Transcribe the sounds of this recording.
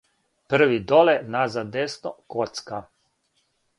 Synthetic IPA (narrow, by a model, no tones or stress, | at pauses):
pəɾʋid̪ɔlɛnazad̪esnɔkɔt̪ska